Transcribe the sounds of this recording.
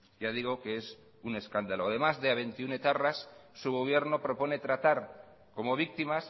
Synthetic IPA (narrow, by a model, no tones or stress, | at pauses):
ɟ͡ʝað̞iɣ̞o̞kees | une̞skand̪aloað̞e̞mazðeaβ̞e̞nt̪iune̞t̪arasːuɣ̞o̞β̞je̞ɾno̞pɾo̞po̞ne̞t̪ɾat̪aɾ | ko̞mo̞β̞ik̚t̪imas